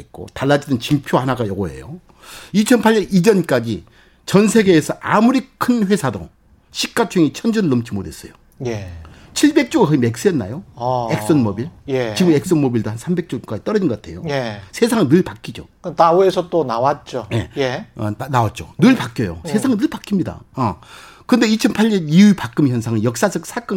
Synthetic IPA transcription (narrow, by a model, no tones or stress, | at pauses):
et̚k͈o̰taɭːad͡ʑidɯnt͡ɕiŋpʰjohanaɡajʌɡoɦe̞̰jo̰ | it͡ɕʰʌnpʰaʎːʌnid͡ʑʌnk͈ad͡ʑi | t͡ɕʌns̬ʰe̞ɡe̞ːsʰʌʔamuɾikʰɯnɸwe̞sʰado̰ | ɕʰik̚k͈at͡ɕʰuŋit͡ɕʰʌnd͡ʑʌnɯɭːɯmt͡ɕ͈ʰimodʱes͈ʌjo | jet͡ɕʰiɭbe̞k̚t͡ɕ͈oɡɯkʌime̞k̚s͈ɯjʌnːa̰joek̚ss͈ʌnmʌbiɭjet͡ɕiɡɯme̞k̚s͈ʌnmobiɭdohansʰambe̞k̚t͡ɕ͈ok͈ait͈ʌɾʌd͡ʑinɡʌk͈atʰe̞̰jojesʰe̞sʰaŋnnɯɭpak͈id͡ʑo̰knauesʰʌt͈onawat̚t͡ɕ͈oje̞̰jenawat̚t͡ɕ͈o̰nɯɭpak͈jʌjo̰sʰe̞sʰaŋnɯɭpak͈imɲida̰ʌkɯnde̞it͡ɕʰʌnpʰaɭːʌniuipak͈ɯmiçjʌnsʰaŋɯnjʌk̚s͈ad͡ʑʌk̚sʰak͈ʌ